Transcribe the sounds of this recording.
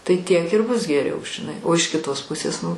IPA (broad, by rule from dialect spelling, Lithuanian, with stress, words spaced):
tɐɪ tʲiɛk ɪr bʊs ɡʲɛˈrʲɛʊ ʒʲɪˈnɐɪ oː ɪʃ kʲɪˈtoːs ˈpʊsʲeːs nʊ